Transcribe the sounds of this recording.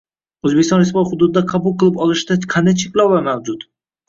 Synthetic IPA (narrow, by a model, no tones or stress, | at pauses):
ɵzbeɪsɒnɾɪsvɒj̪hʊd̪ʊd̪ɪd̪aqʰɑbʊlˠqʰɨlˠɪpɒlˠɪʃɪd̪aqʰand̪ajt͡ʃʰekʲlawlamawd͡ʒʊt̪